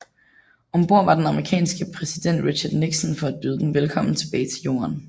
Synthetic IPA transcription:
ɒ̽mb̥o̝ɐ̰ʋɑ̈d̥enɑ̈məʁikʰɛ̰ːnsɡ̥əpʰʁɛsid̥en̰d̥ʁiɕɐd̥niɡ̥sɔnfɒ̽æd̥̚b̥yːðˠd̥en̩ʋelkʰɒ̽m̰n̩t͡sʰe̝b̥ɛːɪt͡sʰe̝ljo̝̰ːɐn

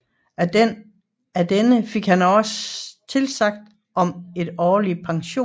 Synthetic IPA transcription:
æd̥enəfe̝ɡ̥hænɒ̽st͡sʰe̝lsɑ̈ɡ̥̚d̥ | ʔɒ̽me̝d̥ɒːlipʰɑ̈ŋɕo̝̰ː

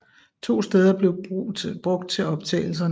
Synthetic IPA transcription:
t͡sʰo̝̰ːsd̥eːð̞ˠɐb̥le̝ʊb̥ʁɔ̽ɡ̥̚d̥̚t͡sʰe̝ɒ̽b̥t͡sʰɛ̰ːɪl̩s̬ɐn

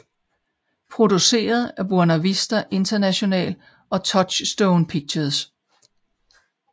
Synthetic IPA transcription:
pʰʁo̝d̥use̝̰ːɐð̞ˠæɐb̥uɐnæʋisd̥ɐʔe̝nd̥ɐnæɕo̝nɛ̰ːl | ɒ̽t͡sʰɒ̥̽ɕsd̥ɔʊnpʰiɡ̥̚ɕɐðˠs

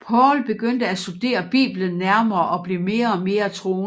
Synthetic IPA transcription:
pʰɒːlb̥e̝ɡ̥øn̰d̥əæsud̥e̝̰ːɐb̥ḭːb̥lənːæɐmɐːʔɒ̽b̥lime̝ːɐɒ̽me̝ːɐt͡sʰʁo̝ːn

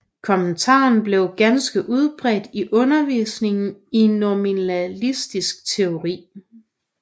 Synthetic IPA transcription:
kʰɒ̽mənt͡sʰɑ̰̈ːn̩b̥le̝ʊɡ̥ænsɡ̥əʔuð̞ˠb̥ʁɛd̥iʔɔ̽nɐʋḭːsne̝ŋn̩inːominælisd̥isɡ̥̚t͡sʰe̝o̝ʁḭː

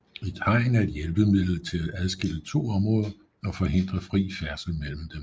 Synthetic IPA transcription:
ed̥hɑ̈ɪ̰næɐe̝d̥jelb̥əmið̰ˠl̩t͡sʰe̝lææð̞ˠsɡ̥e̝lət͡sʰo̝̰ːɒ̽mʁɔ̽ːð̞ˠɐ | ɒ̽fɒ̽ɦe̝n̰d̥ʁɐfʁḭːfæɐsl̩mel̰m̩d̥em

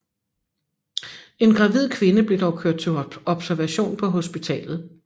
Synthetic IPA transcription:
e̝nɡ̥ʁɑ̈ʋið̞̰ˠkʰʋe̝nəb̥le̝d̥ɒʊkʰøɐ̰d̥̚t͡sʰe̝̥ɒ̽b̥sæɐʋæɕo̝̰ːnpʰɒ̽ɦo̝sb̥it͡sʰɛ̰ːlð̞̩ˠ

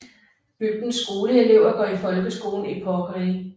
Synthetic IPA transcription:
b̥yɡ̥̚d̥n̩sːɡ̥o̝ːləe̝le̝ʊ̰ɐɡ̥ɒːifɒ̽lɡ̥əsɡ̥o̝̰ːln̩ipʰɒɡ̥ʁi

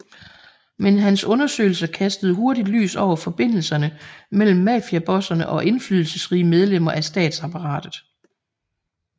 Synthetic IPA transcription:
menɦænsɔ̽nɐsø̰ɪl̩sɐkʰæsd̥əð̞̩ˠɦo̝ɐɾid̥ly̰ːsɒʊ̰ɐfɒ̽b̥e̝n̰l̩sɐnəmel̰m̩ːæfiæb̥ɒ̽sɐnəʔɒ̽ʔe̝nflyðˠl̩səsʁiːəmeð̞ˠlem̰ɐʔæsd̥ɛ̰ːd̥sɑ̈pʰɑ̈ʁɑ̰̈ːd̥ð̩ˠ

